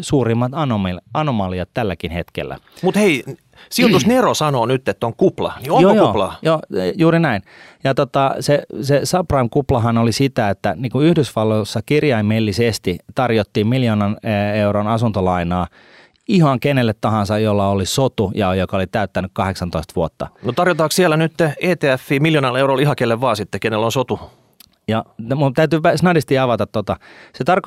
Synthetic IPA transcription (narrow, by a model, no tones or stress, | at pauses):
suːrimːɑt̪ɑnomilɑnomɑliɑt̪t̪ælːækinhet̪kḛlːæ̰ | mut̪hei | silt̪osnerosɑnoːnyt̪ːet̪ːoŋkuplɑ̰njoojoːlɑːjoːjuːɾinæinjɑt̪ot̪ɑsesesɑprɑimkuplɑɦɑnolisit̪æet̪ːæniːŋkuyhdysʋɑlːosːɑkirjɑimelːisest̪it̪ɑrjot̪ːiːmmiljoːnɑneuronɑsunt̪olɑinɑː | ihɑŋkenelːet̪t̪ɑɦɑnsɑjjolːɑolisot̪ujɑjokɑolit̪æyt̪ːænykkɑheksɑnt̪oist̪ʋuot̪ːɑnot̪ɑrjot̪ɑːkssielːˑænyt̪ːeːt̪eːæfːiːmiljonɑleuɾolihɑkelːeʋʋɑːsit̪ːekenelːonsot̪u | jɑmut̪æyt̪yʋæsnɑdist̪iɑʋɑt̪ɑt̪tːot̪ɑset̪ɑrko